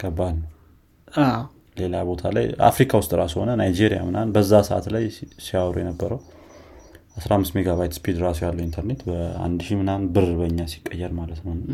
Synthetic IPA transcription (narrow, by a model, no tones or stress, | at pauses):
ɡʰəbːalnə | a | le̞labo̞t̪ʰalaja̰fɾikʰawʊst̪ʼɾasho̞nənajd͡ʒeɾija̰mɨnanbəzːasəʔa̰t̪lajsiawɾujɛnəbːəɾəw | asɾaamːɨst̪meɡaβajt̪spʰid̪ɾasojalːəwint̪ʰəɾne̞t̪bəa̰nd̪ʃimɨnanbɨɾbəɲːasi̥kʼːəjːɛɾmalət̪nəwn